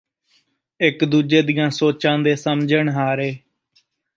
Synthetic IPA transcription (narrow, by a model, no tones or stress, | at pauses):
ɪkd̪uːd͡ʒeːd̪ijãːsoːt͡ʃãːd̪eːsəmd͡ʒəɳɦaːɾeː